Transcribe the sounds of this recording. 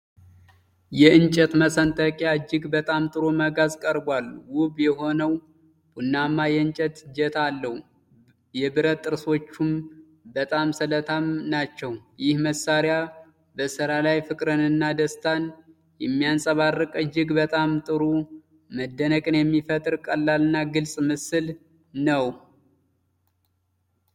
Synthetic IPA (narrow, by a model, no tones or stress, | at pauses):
jɛɨnt͡ʃʼɛt̪məsənt̪ʼəkʼjaɨd͡ʒːɪɡbət̪ʼamt̪ʼɨɾoməɡazkʼəɾbwalwʊβjɛho̞nəw | b̥unːamːajɛɨnt͡ʃʼɛt̪d͡ʒɛt̪ʰalːəhu | jɛbɨɾət̪ʼːɨɾso̞t͡ʃːum | bət̪ʼamsələt̪ʰamnat͡ʃːɛwjɪhməsːaɾja | bəsɨɾalajfɨkʼɾɨnɨnːad̪əst̪ʰan | jɛmːijansʼəβarːɨkʼɨd͡ʒːɪɡbət̪ʼamt̪ʼɨɾu | məd̪ːənəkʼɨnjɛmːifət̪ʼɨɾkʼəlːalɨnːaɡɨlsʼmɨsɨl | nəw